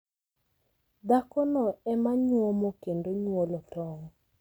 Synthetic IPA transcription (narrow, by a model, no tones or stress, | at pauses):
d̪akɔnɔɛmaɲwɔmokendoɲwolɔtɔŋ